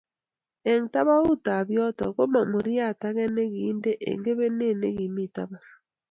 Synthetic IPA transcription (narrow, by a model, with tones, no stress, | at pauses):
e˨ŋta˦βa˦u˦ta˨βjɔ˦tɔ̰˨ɣo˦ma˨mo˨ɾi˦a˦˨ta˦ɣɛ˦ne˦ɣiː˦nde˦ʔḛ˨ŋɡe˦βe˦ne˦˨ne˦ɣi˨mi˦˨ta˦βa˦